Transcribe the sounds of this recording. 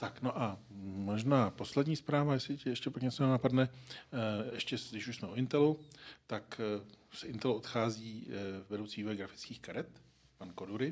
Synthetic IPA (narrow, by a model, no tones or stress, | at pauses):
t̪akno̞ʔa | mo̞ʒnaːpo̞slɛdɲiːspɾaːvajɛsɪcɪjɛʃcɛpakɲɛt͡so̞nɛnapadnɛ | ɛʃcɛdɪʃuʃsmɛoɪnt̪ɛlut̪aksɛɪnt̪ɛluʔot̪xaːziːvɛdowt͡siːviːvo̞jɛɡɾafɪ̥t͡skiːxkaɾɛt̪ | panko̞duɾɪ